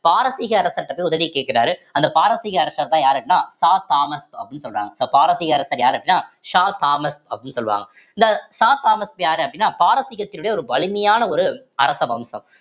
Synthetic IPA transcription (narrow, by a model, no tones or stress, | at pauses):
paːɾɐsɪɣɐɐɾɐsɐʈ̪ːɐpːɐːjʊðɐʋikeːʈ̚kɪɾaːɾɯɐnd̪ɐpaːɾɐsɪɣɐɐɾɐsɐːɾt̪ãːjaːɾɐʈːɪnaːsaːt̪aːmɐspɐpːɽɪnːɯsɔlːʋa̰ːŋɡɐsoːpaːɾɐsɪɣɐɐɾɐsɐːɾjaːɾɐʈːɪnːaːʂaːt̪aːmɐspɐpːɽɪnːɯsɔlːʋa̰ːŋɡɐ | ɪnd̪ɐʂaːt̪aːmɐspjaːɾɯɐp̬̚ːɐɽɪnːaːpaːɾɐsɪɣɐt̪ːɪlɯɽɐjɐɔɾɯbɐɭɪmɐjaːnɐɔɾɯ | ɐ̰ɾɐsɐʋɐmsɐ̰m